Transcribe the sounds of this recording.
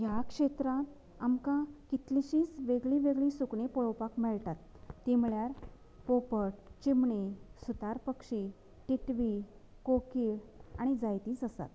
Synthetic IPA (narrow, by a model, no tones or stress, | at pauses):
jakʂet̪ɾã | amkãkit̪liɕĩːt͡sʋeɡɭĩʋeɡɭĩsukɳepɔɭwpakmɛɭʈat̪ː | imɭjaɾ | popəʈ̚t͡ɕimɳesut̪aɾpəkʂi | ʈiʈʋi | kokiːɾaɽ̃id͡zajt̪ĩːt͡səsa̰t̪̚